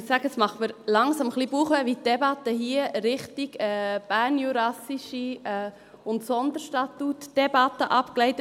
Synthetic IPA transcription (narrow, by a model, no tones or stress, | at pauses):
sæɡəsmɑχməɾlɑŋsɑmχlibuːχʋɛʋitːɛbɑt̪ːəhiːəɾɪχtiɡɛːb̥æːɾnjuɾɑsiʃiɛ | ʊntsɔnd̪əɾʃtɑtutd̥ɛbɑt̪ːəʔɑpklɛɪt